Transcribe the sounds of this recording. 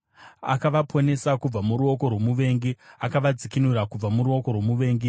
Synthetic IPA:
a̰kaʋapʰo̞ne̞sakub͡vamuɾuoko̞rwo̞muʋe̞ːŋɡiakaʋad͡zikinuɾakub͡vamuɾuo̞ko̞rwo̞muʋe̞ːŋɡi

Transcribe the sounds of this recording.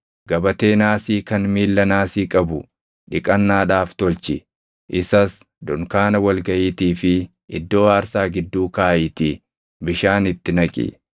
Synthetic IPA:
ɡɐbɐt̪eːnaːsiːkɐnmiːlːɐnaːsiːkʼɐbʊ | ᶑɪkʼɐnːaːᶑaːft̪ɔlt͡ʃɪ | ʔɪsɐs | d̪ʊŋkaːnɐwɐlɡɐʔiːt̪iːfɪ | ɪd̪ːo̞ːaːɾsaːɡɪd̪ːuːkaːʔɪt̪ɪ | bɪʃaːnɪt̪ːɪnɐkʼɪ̰

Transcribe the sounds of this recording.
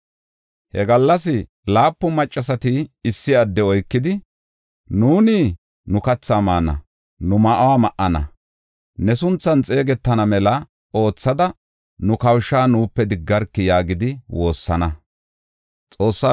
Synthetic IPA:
hɛɡɐlːɐsɪ | laːpːʊmɐt͡ʃʼːɐsɐt̪ɪɪsːɪɐd̪ːɛɔjkːɪd̪ɪ | nuːniː | nʊkɐt͡sːaːmaːnɐ̰ | nʊmɐʔɐwaːmɐʔɐnɐ̰ | nɛsʊnt͡sːɐnt͡sʼe̞ːɡɛt̪ːɐnɐmɛlɐ | o̞ːt͡sːɐd̪ɐ | nʊkɐwʃːaːnuːpːɛd̪ɪɡːɐɾkːɪjaːɡɪd̪ɪwo̞ːsːɐnɐ | t͡sʼo̞ːsːa

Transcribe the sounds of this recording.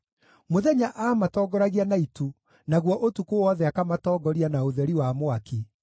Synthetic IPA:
moðɛɲaʔaːmatɔːɡɔɾaɣianaitu | naɣwɔʔotukowɔðɛakamatɔːɡɔɾianaoðɛɾiwamoaki

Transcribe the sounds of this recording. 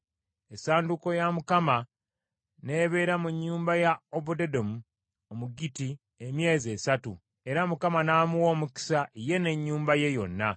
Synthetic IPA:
esaːnduko̞jamukama | ne̞ːβe̞ːɾamuɲːuːmbajaobudedo̞mu | omuɡiti | emje̞ːzie̞ːsatu | e̞ɾamukamanaːmuwo̞ːmuki̥saʔije̞ne̞ɲːuːmbaje̞jo̞̰nːa

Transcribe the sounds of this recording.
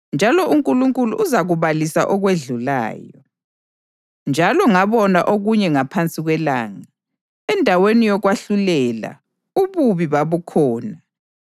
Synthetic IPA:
nd͡ʒʱalɔʔuŋkʼuluŋkʼulṵʔːzaɣuβalisa̰ʔɔɣweɮula̰ːjɔ | nd͡ʒʱalɔŋaβɔnaʔoɣuɲɛŋapʰant͡sʼiɣwɛla̰ːŋa | ɛndʱawenijɔɣwaɬulɛla̰ | uβuβiβaβukʰɔːna

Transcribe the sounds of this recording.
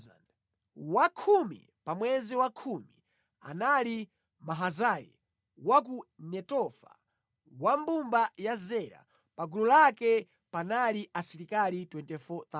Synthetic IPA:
n | wakʰumḭ | pamwɛziwakʰumi | a̰nali | maɦazajɛ̰ | wak̬unɛtɔfa̰ | wambumbajazɛɾa̰ | paɡululakɛ | panaliʔasiɾikalitwɛntɛfɔt̪a

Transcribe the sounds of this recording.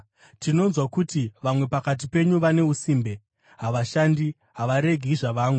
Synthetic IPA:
tino̞nzwakutiʋamwe̞pakat̬ipe̞ɲuʋane̞usiːmbe̞ | ɦaʋaʃandi | ɦaʋaɾe̞ɡʱiʐaʋaːmwe

